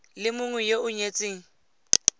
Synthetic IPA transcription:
lɪmʊŋwɛjeʊɲet͡sʼeːŋ̩

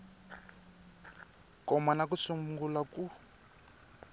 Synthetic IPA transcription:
kɔmanakusumŋɡulaku

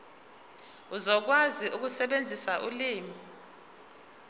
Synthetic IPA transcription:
uzɔk̬waziʔuk̬usɛɓend͡zʱisaʔuliːmi

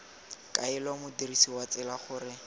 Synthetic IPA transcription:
kʼaɪlɔmʊdirisiwat͡sɛlaχʊːrɪ

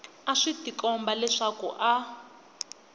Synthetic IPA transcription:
aʂitikʼɔmbalɛʂakṵʔa

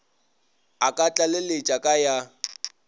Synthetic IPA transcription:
akʼat͡ɬʼalɪlet͡ʃʼakʼaja

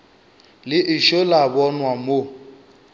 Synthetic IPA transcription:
lɪʔɪʃolabɔnwamo

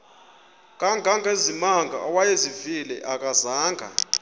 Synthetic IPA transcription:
kʼaŋɡʱaŋɡʱezimaŋɡʱa̰ɔwajezivilɛ̰ʔakʼazaːŋɡʱa̰

